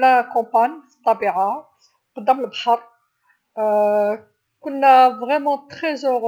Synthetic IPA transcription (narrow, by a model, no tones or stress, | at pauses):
lækɑ̃panjfət̪ˤːɑbiʕa | qd̪əməlbħəɾˤ | kʊnːævʁɛmɑ̃t̪χɛzøʁ